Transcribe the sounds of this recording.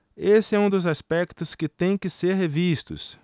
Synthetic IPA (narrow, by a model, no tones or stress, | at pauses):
esɪɛũd̪ʊzaspɛkt̪ʊskɪt̪ẽj̃kɪseɾɦevist̪ʊ̰s